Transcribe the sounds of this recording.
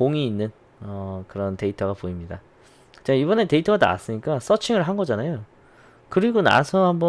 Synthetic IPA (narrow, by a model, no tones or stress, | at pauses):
oŋiːnːɯn | ʌkɯɾʌnte̞itʰʌɡapoimɲida | kɯt͡ɕ͈aibʌne̞te̞itʰʌɡada̰a̰s͈ɯɲik͈as͈ʌt͡ɕʰiŋɯɭɦanɡʌd͡ʑanajo | kɯɾiɡona̰sʰʌhambʌ